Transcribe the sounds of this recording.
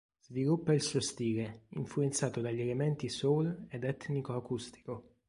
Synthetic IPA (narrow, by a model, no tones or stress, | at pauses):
z̥vilupːailsuost̪iːleiɱfluent̪saːt̪od̪aʎːielemɛnt̪isoled̪ɛt̪nikoakust̪i̥ko